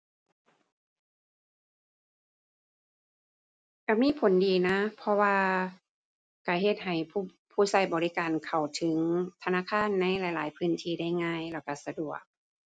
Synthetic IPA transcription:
ka˧˩miː˧˥˨pʰo˨˦ndiː˨na˧˥pʰɔ˧waː˧ | ka˧˩ɦe˧˩t̪̚ɦa˨˩jpʰuː˧˩ | pʰuː˧˩sa˧˩jbɔː˨li˦˥kaː˨˩nkʰa˨˩wt̪ʰɯ˨˦ŋt̪ʰa˧naː˧˨kʰaː˧˥˨nːa˧˥˨jla˧˩jlaː˨˦jpʰɯː˧˥˨nt̪ʰiː˧da˥˩jŋaː˧˨jlɛː˧˩wka˧˩sa˧du˨˩ək̚

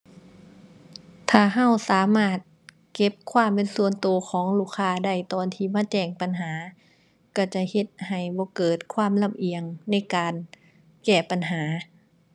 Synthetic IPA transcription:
t̪ʰaː˧˩ɦa˧˥˩wsaː˨˦maː˧˥˩t̪̚ | ke˧˥p̚kʰwaː˧˥˩mpe˨nsu˧ənt̪u˨˧kʰɔː˨˦ŋluː˧˩kʰːaː˧˨da˧˥˩jt̪ɔː˧nt̪ʰiː˧˩maː˧˥˨t͡ɕɛː˧˩ŋpa˨nɦaː˨˩˦ | ka˧˩t͡ɕa˧˩he˧˦t̪̚ha˨˩jbɔː˧˦kɤː˨˩t̪̚kʰwaː˧˥˨mla˧˥˨mʔi˧əŋna˧˥˩jkaː˨n | kɛː˧˩pa˨nɦaː˩˦

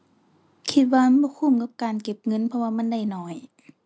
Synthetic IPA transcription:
kʰi˧t̪̚waː˧ma˧˥˨nbɔː˧˦kʰu˧˩˨mka˧˥p̚kaː˨nke˧˩p̚ŋɤ˧˥˨npʰɔ˧waː˧ma˧˥˨nda˧˥˩jnɔː˧˩j

